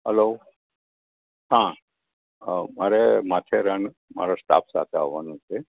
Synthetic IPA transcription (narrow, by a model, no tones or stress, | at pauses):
ɦəlo | hã | maɾemat̪ʰeɾəɳ | ma̰ɾast̪a̰ːpsa̰t̪ʰea̰ʋʋanũt͡ʃʰe